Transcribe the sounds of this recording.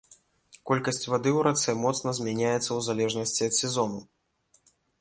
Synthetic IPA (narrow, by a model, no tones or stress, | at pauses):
kɔlʲkɐsʲt͡sʲvad̪ɨwɾat̪sɛmɔt̪snɐzʲmʲanʲajɛt̪sːɐwzalʲɛʐnɐsʲt͡sʲiɐt̪sʲɛzɔnu